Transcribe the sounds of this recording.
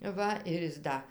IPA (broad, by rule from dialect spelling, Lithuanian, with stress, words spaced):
ˈʋɐ ɪr ˈjɪs ˈdɐ